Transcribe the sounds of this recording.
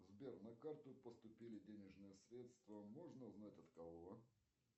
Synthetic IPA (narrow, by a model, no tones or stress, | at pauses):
zbʲernɐkart̪ʊpəst̪ʊpʲilʲɪdʲenʲɪʐnɨjəsɾʲet̪st̪vəmoʐnəʊznatʲɐt̪kɐvovə